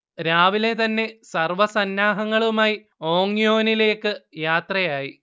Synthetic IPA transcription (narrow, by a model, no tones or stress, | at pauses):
ɾaːʋile̞t̪ɐnːe̞sɐrʋɐsɐnːaːɦɐŋːɐɭumaːji | o̞ːŋːijo̞ːnile̞ːkːɨjaːt̪rɐjaːji